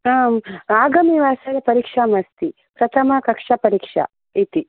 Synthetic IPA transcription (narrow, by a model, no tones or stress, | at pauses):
aːmaːɡɐmiʋaːsɐɾɐpɐɾiːkʂamɐst̪i | pɾɐt̪ʰɐmɐkɐkʂɐpɐɾiːkʂɐ̰ | it̪i